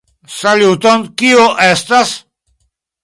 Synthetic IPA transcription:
salut̪onkioʔest̪as

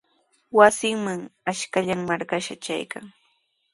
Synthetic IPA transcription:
wasɪŋmaŋaʃkaʎaŋmaɾkaʃat͡ʃa̰jka̰ŋ

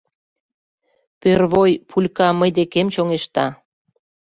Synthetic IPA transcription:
pørβojpʰulʲkɑməjd̪ekemt͡ɕoŋeʃt̪ɑ

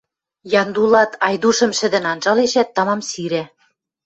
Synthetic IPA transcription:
jɑnd̪ulɑt̪ʰɑjd̪uʃɤ̆mʃɘ̆d̪ɘ̆nɑnʒɑleʃæt̪ːɑmɑmsiɾæ

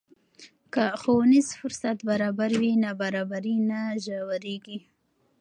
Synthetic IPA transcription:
kaxownizfʊɾsat̪baɾɑbaɾwinabaɾɑbaɾinaʒawaɾeɡi

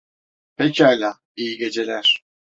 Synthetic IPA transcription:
pʰecʰialʲaː | ijiɟe̞d͡ʒelʲæɾ̥

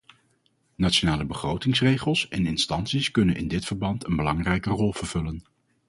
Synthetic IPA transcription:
nat͡ʃonaːləbəχrowtɪŋsrejχəlˠsɛnɪnstɑnsiskɵnənʔɪ̰ndɪtfəɹbɑntənbəlɑŋrɛjkərɔlˠv̥əɹv̥ɵlən

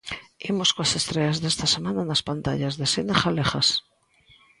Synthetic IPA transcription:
imoskoase̞st̪ɾeazðest̪asemananaspant̪aʎazðe̞senasaleχas

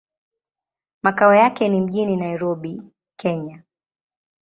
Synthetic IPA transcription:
makaɔjakɛnim̩ʄininaiɾɔɓi | kʰɛɲa

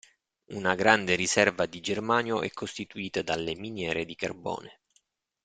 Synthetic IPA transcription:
unaɡɾand̪eɾisɛrvad̪id͡ʒermaːnjoʔɛ̰kʰːost̪it̪uiːt̪ad̪alːeminjɛːɾed̪ikarbɔ̰ːne

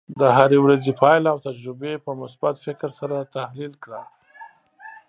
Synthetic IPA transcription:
d̪əɦaɾewɾazepʰɑjlawt̪ad͡ʒɾʊbepəmʊsbat̪fɪkɾsaɾat̪ahlilkɽa

